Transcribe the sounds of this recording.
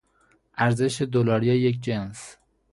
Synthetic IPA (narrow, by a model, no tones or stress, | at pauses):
ʔæɾze̞ʃed̪olɒːɾijejek̬d͡ʒens